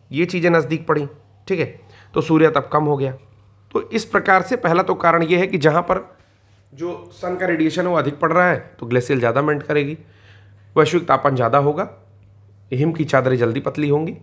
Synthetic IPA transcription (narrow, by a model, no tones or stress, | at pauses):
jet͡ʃiːzẽnɐzd̪iːk̚pɐɽ̤ĩ | ʈʰiːkɦɛː | t̪osuːɾijat̪ɐb̚kɐmɦoɡɐjaː | t̪oʔɪspɾɐkaːɾsepɛɦlat̪okaːɾəɽ̃jeɦɛkid͡ʒɐɦãpɐɾ | d͡ʒoːsɐnkaɾeːɖijeːʃənɦɛʋoɐd̪ʱɪk̚pɐɽɾaaɦɛt̪oɡleːsijəlzjaːd̪amẽːɳʈkɐɾeːɡiː | ʋɐʃʋɪk̚t̪aːpənd͡ʒjaːd̪aɦoːɡaː | ɦɪmkit͡ʃaːd̪ɾẽd͡ʒɐld̪ipɐt̪liɦõːŋɡiː